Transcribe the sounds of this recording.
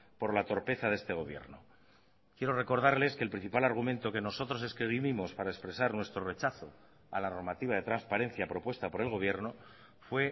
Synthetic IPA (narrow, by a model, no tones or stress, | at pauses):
po̞ɾlat̪o̞ɾpe̞θaðe̞st̪e̞ɣo̞βje̞̰ɾno | kje̞ɾo̞re̞ko̞ɾð̞aɾle̞ske̞ːlpɾĩn̟θipalaɾɣ̞umẽ̞nt̪o̞ke̞no̞so̞t̪ɾo̞se̞skɾiβiβimo̞spaɾaespɾe̞saɾnwe̞st̪ɾo̞re̞t͡ʃaθo̞ | a̰lano̞ɾmat̪iβaðe̞t̪ɾanspaɾe̞n̟θjapɾo̞pwe̞st̪apo̞ɾe̞lɣo̞βje̞ɾno̞ | fwe̞